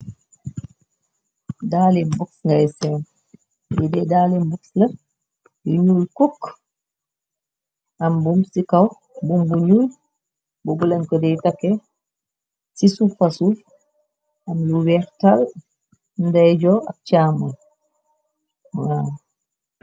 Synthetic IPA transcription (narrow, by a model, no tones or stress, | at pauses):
daːlinbɔk̚sŋɡajsɛn | jɛdɛdalinbɔksla | juɲulkɔkː | ʔambumsikaw | bumbuɲun | bubulankɔdɛjtakːɛ | sisufasu | ʔamluwɛɾtal | ndajd͡ʒɔa̰k̚t͡ʃaːmun | wa